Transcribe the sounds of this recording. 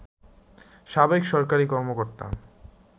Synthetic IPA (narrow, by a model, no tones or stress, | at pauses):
ʃabaikʃɔɾkaɾikɔɾmokoɾt̪a̰m